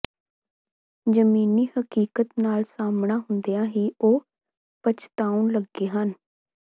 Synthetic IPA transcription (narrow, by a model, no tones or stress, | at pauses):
d͡ʒəmiːniːhəkiːkət̪naːlsaːmɳaːɦʊnd̪ejãːɦiːʔoː | pət͡ʃʰt̪aːuɳləɡːeːɦən